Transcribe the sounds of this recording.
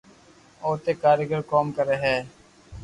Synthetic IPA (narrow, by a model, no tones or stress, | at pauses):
oːt̪eːkaːɾɪɡəɾkoːmkəɾeːɦɛː